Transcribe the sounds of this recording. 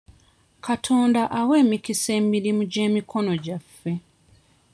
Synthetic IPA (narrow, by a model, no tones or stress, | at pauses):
katʰo̞ːndaʔawe̞ːmikise̞ːmiɾimuɟe̞ːmikʰo̞no̞ɟafːe̞